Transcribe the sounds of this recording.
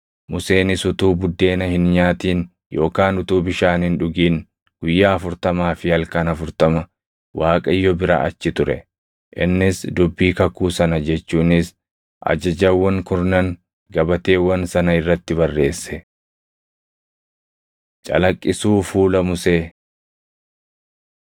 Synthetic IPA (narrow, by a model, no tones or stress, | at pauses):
mʊseːnɪsʊt̪uːbʊd̪ːe̞ːnɐhɪnɲaːt̪iːn | jo̞ːkaːnʊt̪uːbɪʃaːnhɪnᶑʊɡiːn | ɡ̥ʊjːaːɐfʊɾt̪ɐmaːfɪhɐlkɐnɐfʊɾt̪ɐmɐ | wʔaːkʼɐɪjːɔbɪɾa̰ːʔɐ̰t͡ʃːɪt̪ʊɾɛ̰ | ʔɪ̰nːɪsd̪ʊbːiːkɐkuːsɐnɐd͡ʒɛt͡ʃːuːnɪs | ʔɐ̰d͡ʒɐd͡ʒɐwːɐŋkʊɾnɐŋ | ɡɐbɐt̪e̞ːwɐnsɐnɐɪrːɐt̪ːɪβɐrːe̞ːsːɛ | t͡ʃʼɐ̰lɐkʼːɪsuːfuːlɐmʊseː